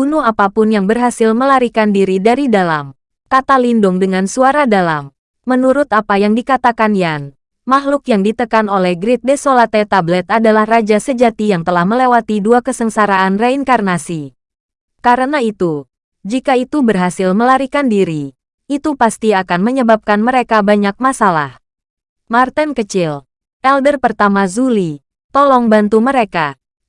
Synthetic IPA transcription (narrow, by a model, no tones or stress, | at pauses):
bunuapapʊnjaŋbərɦasilməlaɾikandiɾidaɾidalam | kat̪alindʊŋdəŋansuaɾadalamː | ənuɾʊt̪apajaŋdikat̪akanjan | maɦlukjaŋdit̪əkanolɛhɡɾit̪̚desolat̪ɛt̪ablɛt̪̚adalahrad͡ʒasəd͡ʒat̪ijaŋt̪əlahməlewat̪iduakəsəŋsaɾaːnraiŋkarnasi | kaɾənait̪u | d͡ʒikait̪ubərɦasɪlməlaɾikandiɾi | it̪upast̪iakanməɲəbap̚kanməɾekabaɲak̚masala̰h | mart̪ɛnkət͡ʃɪl | ʔɛldərpərt̪amazuli | t̪ɔlɔŋbant̪uməɾeka